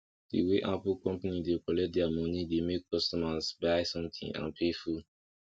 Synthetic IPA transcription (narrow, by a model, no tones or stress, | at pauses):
d̥ḭweʔapulkɔ̃mpanidekɔlɛt̚dɛamɔnidemekʰːɔstɔmasbaɪsɔ̃mt̪ʰḭ̃ŋã̰npʰeful